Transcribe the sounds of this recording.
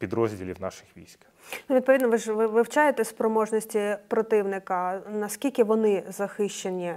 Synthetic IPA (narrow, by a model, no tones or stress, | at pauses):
pʲid̪ɾɔzʲdʲilʲiwnɑ̰ʃɪ̥xʋʲḭjsʲk | nuʋʲid̪̚pɔʋʲid̪nɔʋɪʒʋɪʋɪwt͡ʃajet̪ɛsʲpɾɔmɔʒnʲɔsʲtʲipɾɔt̪ɪwnɪkɐnɐskʲilʲkɪʋɔnɪzɐxɪʃt͡ʃenʲi